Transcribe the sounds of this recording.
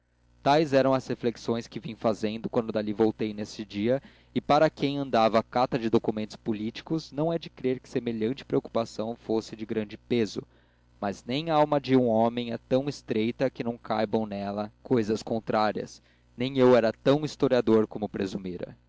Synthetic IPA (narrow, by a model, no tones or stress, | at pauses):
t̪ajzɛɾɐ̃w̃ɐshefleksõj̃skɪvĩɲ̃fazẽnd̪ʊkwɐ̃nd̪ʊd̪alivowt̪ejnesɪd͡ʒiɐ | ɪpaɾɐkẽj̃ɐ̃nd̪avɐːkat̪ɐd͡ʒɪd̪okumẽnt̪ʊ̥spulit͡ʃi̥kʊznɐ̃w̃ɛd͡ʒɪkɾeɾkɪ̥semeʎɐ̃t͡ʃɪ̥pɾeoku̥pasɐ̃w̃fosɪd͡ʒɪɡɾɐ̃nd͡ʒɪpezʊ | mɐznẽj̃awmɐd͡ʒɪũomẽj̃ɛt̪ɐ̃w̃ɪst̪ɾejt̪ɐkɪnɐ̃w̃kʰajbɐ̃w̃nɛlɐkojzɐskõnt̪ɾaɾiɐ̰s | nẽj̃ewɛɾɐt̪ɐ̃w̃ist̪oɾiad̪oɾkomʊpɾezumiɾɐ̰